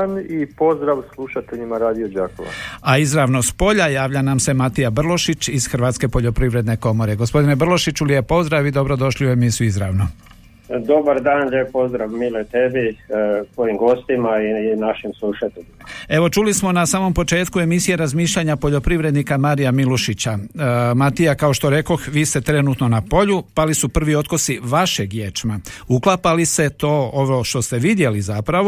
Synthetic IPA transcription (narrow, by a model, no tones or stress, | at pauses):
nipo̞zd̪ɾaʋslˠuʃat̪eʎimaɾaːd̪iod͡ʒaːko̰ʋa̰aizɾaʋnospo̞ʎajaːʋʎanamse̞mat̪ijabr̩lo̞ʃit͡ʃiz̥xɾ̩ʋaːt̪ske̞po̞ʎo̞pɾiʋɾe̞d̪ne̞ko̞mo̞ɾe̞ɡospo̞d̪ine̞br̩lˠo̞ʃit͡ʃulije̞po̞zd̪ɾaʋid̪o̞bɾo̞d̪o̞ʃliue̞misijuizɾaʋno | d̪o̞baɾd̪aːnʎepo̞zd̪ɾaʋmilet̪ebit̪ojimɡo̞st̪imainaʃimslˠuʃat̪eʎimae̞ʋo̞t͡ʃulismo̞nasaːmo̞mpo̞t͡ʃe̞ːt̪kue̞misije̞ɾazmiːʃʎaɲapo̞ʎo̞pɾiʋɾe̞d̪nikamaːɾijamiluʃit͡ɕamat̪ijakaoʃt̪oɾe̞ko̞xʋiːst̪e̞t̪ɾe̞nuːt̪no̞napo̞ʎupalisupr̩ʋio̞t̪kosiʋaʃe̞ɡjeːt͡ʃmauklapalist̪e̞t̪o̞ːoʋoʃt̪o̞st̪e̞ʋid̪je̞lizapɾaʋo